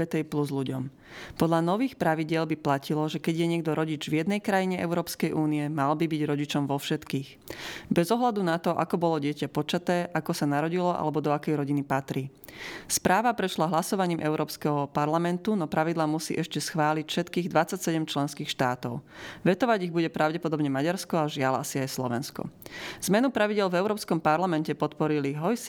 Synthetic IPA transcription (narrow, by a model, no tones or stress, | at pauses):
ɛt̪ɛjpluzʎuɟɔ̰m | pɔd̪ʎanɔʋiːxpɾaʋiɟɪɛlbiplacilɔʒɛkɛɟɪjɛɲɪɛɡ̚d̪ɔɾɔɟid͡ʒvjɛd̪nɛjkɾajiɲɛɛ̰ʊɾɔːpskɛjʔuːniɛmalbibiɟɾɔɟit͡ʃɔmʋɔfʃɛt̪kiːx | bɛzɔɦlad̪unat̪ɔʔa̰kɔbɔlɔɟɪɛcapɔt͡ʃat̪ɛːʔakɔsanaɾɔɟilɔʔa̰lɛbɔd̪ɔakɛjɾɔɟinipat̪ɾiːspɾʔaːʋapɾɛʃlaɦlasɔʋaɲiːmʔɛʊɾʔɔːpskɛɦɔpaɾlamɛnt̪unɔpɾaʋid̪laːmusḭːʔɛʃcɛsxʋaːlicfʃɛt̪kiːɣd̪ʋat͡sːacsɛɟɛmt͡ʃlɛnskiːxʃt̪aːt̪ɔ̰ʊʋɛt̪ɔʋaɟiɣbuɟɛpɾaʊɟɛpɔd̪ɔbɲɛmaɟaɾskɔaʒɪala̰siajslɔʋɛnskɔ̰z̥mɛnupɾaʋiɟɪɛlvɛʊɾɔːpskɔmpaɾlamɛncɛpɔt̪pɔɾiliɦɔjs